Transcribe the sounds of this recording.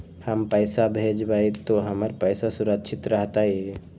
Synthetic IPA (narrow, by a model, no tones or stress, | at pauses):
həmpəɪsabʱed͡ʒbait̪oɦəməɾpəɪsasuɾəkt͡ʃʰit̪ɾəɦt̪aie